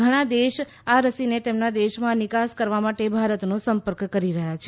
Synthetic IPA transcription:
ɡʱəɽ̃ad̪eʃ | aɾəsinet̪emnad̪eʃmãnɪkaskəɾʋamaʈebʱaɾət̪nosəmpəɾkkəɾiɾəɦjat͡ʃʰe

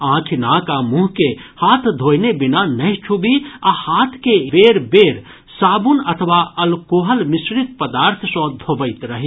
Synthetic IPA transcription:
ãkʰinakamũɦkehat̪ʰd̪ʱojnebinanəjt͡ʃʰubiahat̪ʰkebeɾbeɾ | sabunət̪ʰəʋaəlkoɦəlmisɾit̪̚pəd̪aɾt̪ʰsɔ̃d̪ʱobəɪt̪ɾəɦi

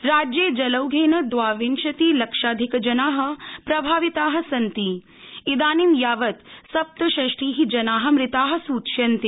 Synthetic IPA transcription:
ɾaːd͡ʒjeːd͡ʒɐlɐwɡʱeːnɐd̪ʋaːʋinʃɐt̪iːlɐkʂaːd̪ʱikɐd͡ʒɐnaːɦɐ̆pɾɐbʱaːʋit̪aːɦɐ̆sɐnt̪i | id̪aːnimjaːʋɐt̪sɐp̚t̪ɐʃɐʂʈiːɦid͡ʒɐnaːɦɐ̆mɾɪt̪aːɦɐ̆suːt̪ʃjɐnt̪i

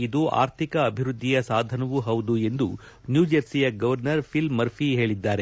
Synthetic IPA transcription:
id̪uʔa̰ːɾt̪ʰikɐːbʱiɾud̪ʱːijɐsaːd̪ʱɐnɐʋuɦɐwd̪ue̞nd̪u | njuːd͡ʒɐɾsijɐɡɐʋɐɾnɐɾpʰilmːɐɾpʰiɦe̞ːɭid̪ːaːɾe̞

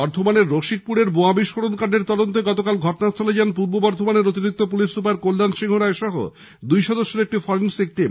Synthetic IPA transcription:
ɔɾd̪ʱomaneɾːoʃik̚puɽeɾboabiʃkʰoɽonkaɖeɾt̪ɔd̪ont̪eɡɔt̪okalɡʱɔʈonat͡ɕoled͡ʑanp̬uɾbobɔɾd̪ʱomaneɾot̪̬iɾik̚t̪op̬ulisupaɾkolːanʃiŋɦoɾaeʃɔɦo̰ | d̪ujʃɔd̪oʃːoek̚ʈifɔɾensek̚ʈi

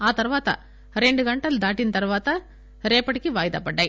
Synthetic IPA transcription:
aːt̪ɐɾɯʋaːt̪ɐ̰ | ɾɛɳɖɯkɐɳʈːɐld̪aːʈːɪnt̪ɐɾɯʋaːt̪ɐ | ɾeːpːɐɽɪkːɯʋaːjɪðɐ̰pːɐʈːɐɪ

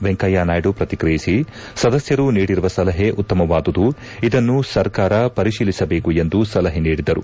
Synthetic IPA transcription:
ʋeŋkɐjaːnaːjɖupɾɐt̪ikɾijisi | sɐd̪ɐsjɐɾuniːɽiɾuʋɐsɐlɐɦeʔut̪ːɐmɐʋaːd̪ud̪u | id̪ɐnːusɐɾkaːɾɐpɐɾiʃiːlisɐbeːkue̞nd̪usɐlɐɦeniːɽid̪ɐɾṵ

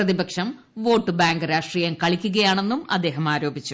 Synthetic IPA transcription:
rɐðibɐkʂɐm | ʋo̞ːʈːɨbaːŋɡɾaːʂʈriːjɐmkɐɭikʲːuɣɐjaːɳe̞nːumɐ̰d̪ːe̞ːɦɐmaːɾo̞ːbit͡ɕːu

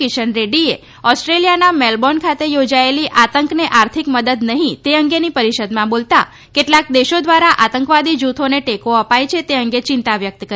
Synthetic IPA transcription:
kɪʃənɾeɖie | ɔsʈɾelijanamelbɔnkʰat̪ejod͡ʒaeliʔat̪əŋkneʔaɾt̪ʰikməd̪əd̪nəɦĩt̪eəŋɡenipəɾiʃəd̪mãbolt̪a̰ | keʈlak̚d̪eʃod̪ʋaɾaʔat̪əŋkʋad̪id͡ʒut̪ʰoneʈekoəpajt͡ʃʰet̪eəŋɡet͡ʃɪ̃nt̪aʋjək̚t̪kə

